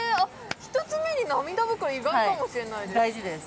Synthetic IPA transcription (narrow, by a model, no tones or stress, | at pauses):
a | çi̥t̪ot͡sɨme̞ɲ̟inamʲid̪abɯ̟kɯɾiɡaakamoɕiɾe̞naid̪d̪aiʑid̪es